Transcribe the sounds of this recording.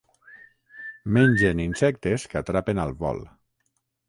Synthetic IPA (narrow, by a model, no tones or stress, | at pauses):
meɲʲd͡ʒeninsɛk̚t̪eskat̪ɾapenalˠβɔ̰l